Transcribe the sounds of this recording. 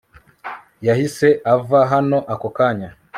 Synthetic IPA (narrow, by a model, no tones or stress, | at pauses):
jahiseʔavaɦanoʔakokaɲa